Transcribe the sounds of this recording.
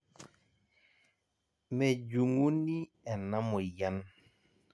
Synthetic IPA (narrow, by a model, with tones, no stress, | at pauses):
me˨d͡ʒu˨ŋu˦ni˦ | ɛ˨na˦mɔ˨ja˦n